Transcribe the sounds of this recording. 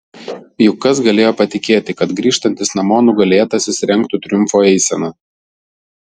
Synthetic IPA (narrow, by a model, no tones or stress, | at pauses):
jʊkːɐsɡɐlʲeːjoːpɐt̪ʲɪkʲeːt̪ʲɪkɐt̪ɡɾʲiːʃt̪ɐnʲt̪ʲɪsnɐmoːnʊɡɐlʲeːt̪ɐsʲɪsʲɾʲɛŋˑkt̪ʊt̪ʲɾʲʊmfoːɛɪsʲɛnɐ